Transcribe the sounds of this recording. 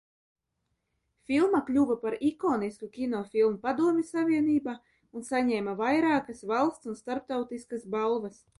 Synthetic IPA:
fʲilˠmakʎʲuvapaɾikoːniskukʲinɔfʲilˠmupad̪uɔmʲisavʲiɛniːbaː | unsaɲɛːmavajɾaːkɐsvalˠst̪sunst̪aɾp̚t̪awt̪iskasbalˠvɐs

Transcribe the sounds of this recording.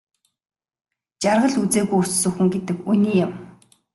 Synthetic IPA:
t͡ɕarʁə̆ɮut͡seːɣujut͡ssɵ̆xɘ̆ŋɡet̪ɘ̆kuniːjʊm

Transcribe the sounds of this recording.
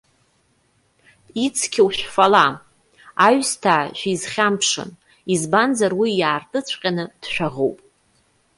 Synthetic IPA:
it͡sʰkʲʰiwʃᶣfala | aɥstʰaːʒᶣizχʲampʰʂɨ̰n | izbanzarwijaːrtʼɨt͡sʷʰqʲʼanɨd̥ʃᶣaʁo̰wpʼ

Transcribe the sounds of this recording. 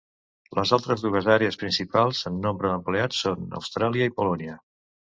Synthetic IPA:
ləzalˠt̪ɾəzðuɣəzaɾeəspɾinsipalˠzənːombɾəðəmpleasonə̰wst̪ɾaliəipulɔniə

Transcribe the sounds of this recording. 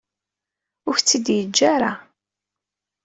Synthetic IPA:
ʊɾçt͡sːid̪jəd͡ʒːaɾa

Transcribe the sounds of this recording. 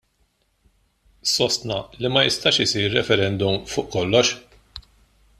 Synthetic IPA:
sɔst̪nɐlimɐjɪst̪ɐːʃɪsiːɾːɛfɛɾɛnd̪ʊmfʊːʔkɔlːɔʃ

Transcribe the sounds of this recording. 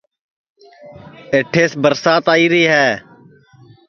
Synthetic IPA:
eʈʰːeːsbəɾsaːt̪aːiːɾəiːɦɛː

